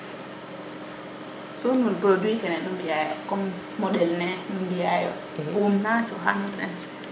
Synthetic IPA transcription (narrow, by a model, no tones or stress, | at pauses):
sɔnunɡoduikɛnɛɗumbijajɔkɔmː | ɔɗɛlnɛnumbijajɔ̰ | wumnat͡ʃɔɦanunɗɛ̰n